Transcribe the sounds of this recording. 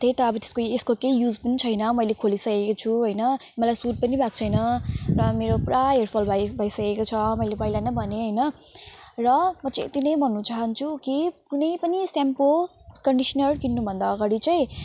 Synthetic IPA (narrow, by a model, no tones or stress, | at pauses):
t̪ʰet̪ʌʌbʌt̪e̥skoeskokejjud͡zpʌnit͡sʰʌjnʌmʌjlekʰolisʌkekot͡sʰuɦʌjnʌ | mʌlajsuʈ̚pʌnibʱak̚t͡sʰʌjnʌrʌmeɾopraerpʰʌlbʱabʱʌjsʌkekot͡sʰʌmʌjlebʌjlanʌbʱʌneɦʌjnʌ | rʌmʌt͡sʌĩt̪inʌjbʱʌnːut͡saɦʌnt͡sʰukikunʌjpʌnisampo | kʌɳɖisʌnʌrkinːubʱʌnd̪aːɡaɽit͡sʌj̃